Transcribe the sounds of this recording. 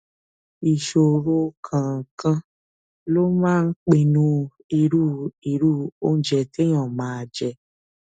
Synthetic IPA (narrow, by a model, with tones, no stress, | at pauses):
i˨ʃo˨ɾo˧kʰã˨kã˧ | lo˦mãː˦˧˦k͡pe˧˨nũ˧˦ | i˧ɾu˦˨i˨ɾu˦˨o˦n̩˦d͡ʒɛ˧˨te˦j̃ɔ̃˨mãː˨˦a˧˨d͡ʒɛ˧˨